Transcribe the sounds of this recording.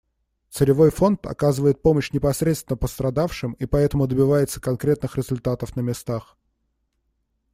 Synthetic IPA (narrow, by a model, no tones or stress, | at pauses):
t̪sɨɾʲɪvo̞jfo̞nt̪ɐ̰kazɨvəjɪt̪̚po̞məɕnʲɪpɐsɾʲet̪st̪vʲɪnəpəst̪ɾɐd̪afʂɨmipɐɛt̪əmʊd̪əbʲɪvajɪt̪səkɐnkɾʲe̞t̪nɨxɾʲɪzʊlʲt̪at̪əfnəmʲɪst̪ax